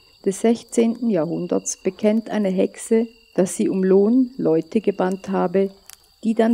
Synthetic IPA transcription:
d̥ɛsz̥ɛçt͡seːntn̩jaːɐɦʊndɐ̰t͡sb̥əkʰɛntʔa̰ɪnəɦɛksə | d̥asz̥iːʊmloːnlɔʏtəɡəbanthaːbə | d̥iːdan

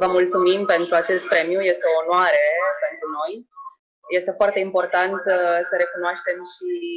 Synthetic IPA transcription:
vəmult̪sumimpe̞nt̪ɾuat͡ʃe̞st̪̚pɾe̞miuje̞st̪eoːnwaɾe̞pe̞nt̪ɾuno̞j | je̞st̪e̞foart̪e̞impo̞rt̪ant̪səɾe̞kunoaʃt̪e̞mʃi

